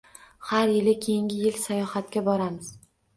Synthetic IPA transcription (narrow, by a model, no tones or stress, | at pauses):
haɾjɪlɪkʲʰejɪŋʲɪjɪlsajɒhat̪kʲabɒɾamɪz̥